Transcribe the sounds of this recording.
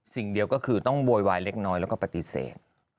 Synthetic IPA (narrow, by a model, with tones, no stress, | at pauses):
si˨˩ŋdi˧əwkɔː˥˩kʰɯː˧t̪ɔ˥˩ŋboː˧jwaː˧jle˦˥k̚nɔː˦˥jlɛː˦˥wkɔː˥˩pa˧t̪i˧sḛː˨˩t̪̚